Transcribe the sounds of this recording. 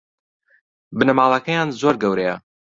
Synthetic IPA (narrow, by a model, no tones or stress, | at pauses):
bɨnɐmaːlˠɐkɐjaːnzoɾɡɐwɾejɐ̰